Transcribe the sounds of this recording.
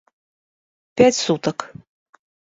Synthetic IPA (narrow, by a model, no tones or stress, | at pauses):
pʲæt͡sʲsut̪ɐk